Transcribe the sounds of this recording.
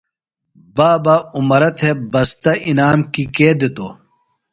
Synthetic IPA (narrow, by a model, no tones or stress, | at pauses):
baːbaumɐɾɐt̪ʰebɐst̪ɐʔinaːmkikeːd̪et̪oː